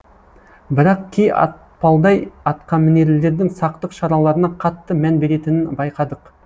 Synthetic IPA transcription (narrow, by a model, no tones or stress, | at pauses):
bɪɾɑqkʲʰejɑ̰t̪ | pɑlˠd̪ɑjɑt̪qɑnmɪne̞ɾɪlːe̞ɾd̪ɪŋsɑqt̪əqʃɑɾɑlˠɑɾənɑqʰɑt̪ːəmænbe̞ɾe̞t̪ɪnɪnbɑjqɑd̪əq